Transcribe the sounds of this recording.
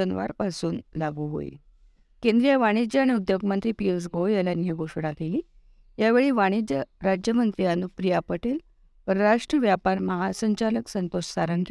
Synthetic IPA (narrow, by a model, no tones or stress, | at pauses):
ənʋa̰ɾpasuːnlaɡuɦo̰ḭ | kẽnd̪ɾijaʋaɽ̃id͡ʑaaɽ̃iud̪joɡmənt̪ɾiːpies̬ɡojələnjəɡoʂɽakeliː | ɦjaʋeɭiːʋaɽ̃id͡ʑəɾad͡ʑjəmənt̪ɾianupɾijapəʈel | pəɾɾaʂʈɾəʋjapaɾməɦasəɲt͡ɕaləksənt̪oʂsaɾənd̪ɾ